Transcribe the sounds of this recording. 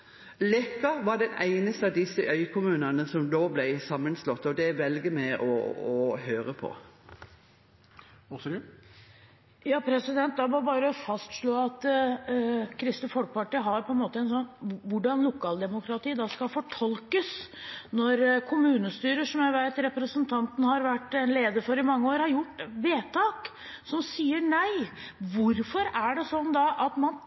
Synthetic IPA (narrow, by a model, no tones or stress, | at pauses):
lɛkːɑʋɑɖɛnæɪnəst̪əɑʋd̪ɪsːəʔœʏkʰʊmʉːnənəsɔmd̪oːblæɪsɑmːənslɔt̪ːɔd̪ɛʋɛlɡəmɛʔɔ̰ɔɦøːɾəpʰɔ̰ | jɑːpʰɾɛsɪd̪ɛnt̪̚d̪ɑbɑbɑːɾəɔfɑst̪ʂɭoːɑt̪ | kʰɾɪst̪əfɔlk̚pɑʈiːɦɑɾpʰɔɛnmoːt̪əɛnsɔnːʋʊɖɑnlʊkʰɑːld̪ɛmʊkʰɾɑt̪iːd̪ɑskɑfɔʈʰɔlkəsnɔɾkʰʊmʉːnəst̪yːɾəʂɔmjæɪʋæɪt̪ɾɛpɾəsənt̪ʰɑnt̪n̩hɑɾʋæʈːɛnleːd̪əfɔɾɪmɑŋːəoːɾhɑɾjʊʈːʋeːt̪ʰɑːk | sɔmsiːəɳæɪ | ʋʊɾfɔɾæɖɛsɔnːd̪ɑʔɑt̪mɑn